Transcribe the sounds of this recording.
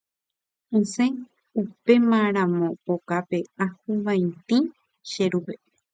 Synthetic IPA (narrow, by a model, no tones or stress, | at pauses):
ɨ̃sẽ | upe̞mãɾ̃ãmõpokape̞ahuʋãjt̪ĩ | ʃeɾupe